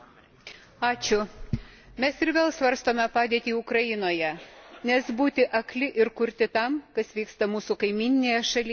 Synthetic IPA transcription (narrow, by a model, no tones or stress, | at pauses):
ɑːt͡ʃʲʊ | mʲɛsɪɾʋʲeːlˠsʋɐɾst̪oːmʲɛpɑːd̪ʲeːt̪ʲiːʊkɾɐjɪnoːjɛnʲɛsbuːt̪ʲɪʔɐklʲɪʔɪɾkʊɾʲt̪ʲɪt̪ɐmkɐsʋʲiːkst̪ɐmuːsʊkɐɪmʲiːnʲɪnʲeːjɛʃɐlʲɪ